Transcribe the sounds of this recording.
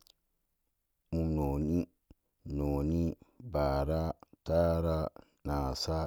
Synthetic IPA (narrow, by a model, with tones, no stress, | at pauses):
mu˦mno˨ni˦ | no˨ni˦ba˨ɾa˦ta˦ɾa˦ | na˨sa˦